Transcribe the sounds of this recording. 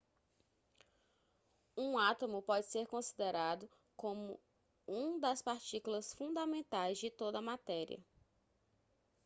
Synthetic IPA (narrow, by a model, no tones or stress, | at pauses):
ũat̪omʊpɔd͡ʒɪseɾkõsid̪eɾad̪ʊ | kõmʊ̰ | ũd̪ɐspaɾt͡ʃikulɐsfũd̪ɐmẽnt̪ajzd͡ʒɪt̪od̪ɐmat̪ɛɾḭɐ̰